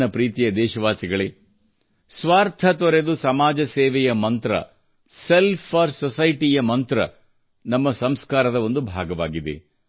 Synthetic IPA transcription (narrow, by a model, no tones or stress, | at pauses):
ɐpɾiːt̪ijɐd̪ɛːʃɐʋaːsiɡɐɭe | sʋaːɾt̪ʰɐt̪ɔɾe̞d̪usɐmaːd͡ʒɐseːʋɛjɐmɐnt̪ɾɐ̰ | selpʰɐɾsɔsɐjʈijɐmɐnt̪ɾɐ̰ | nɐmːɐsɐmskaːɾɐd̪ɐo̞nd̪ubʱaːɡɐʋa̰ːɡid̪ḛ